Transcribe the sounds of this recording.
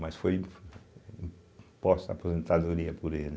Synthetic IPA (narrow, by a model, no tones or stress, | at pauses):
mɐsfoj | ĩ | pɔst̪ɐ̰puzẽnt̪aðuɾiɐpuɾel